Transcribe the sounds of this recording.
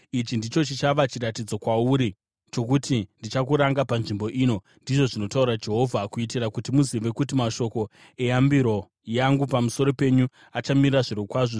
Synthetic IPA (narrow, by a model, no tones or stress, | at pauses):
it͡ʃindit͡ʃo̞t͡ʃit͡ʃaʋat͡ʃiratid͡zo̞kwauɾi | t͡ʃo̞k̬utindit͡ʃakuɾaŋɡapanʐimbo̞ʔiːno̞ | ndiʐo̞ʐino̞taurad͡ʒe̞ɦo̞vʱakuit̬irakutimuziʋe̞kutimaʃo̞ko̞ | e̞jambiɾo̞ | jaŋɡupamuso̞ɾo̞pe̞ɲu | at͡ʃamiriraʐiɾokwaʐo